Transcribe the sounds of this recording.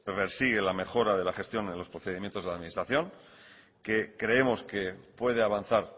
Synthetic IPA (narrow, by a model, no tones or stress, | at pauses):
peɾsiɣ̞e̞lame̞xo̞ɾaðe̞laχe̞st̪jo̞nenlospɾo̞θe̞ðimjent̪oðelaðminist̪ɾaθjo̞ŋ | ke̞kɾe̞emo̞ske̞pwe̞ð̞e̞aβan̟θaɾ